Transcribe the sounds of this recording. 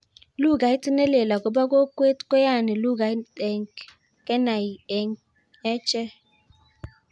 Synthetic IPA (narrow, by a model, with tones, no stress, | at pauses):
lu˦˨ɡa˨˦i˦tɪ˦ne˦le˨la˨ɡʊ˨ba˦ɡo˦kʷe˦tko˦ja˦˨nɪ˨lu˦˨ɡa˨˦te˨ŋ˨k | ke˦na˨i˨e˨ŋ˦ | e˦t͡ʃe˦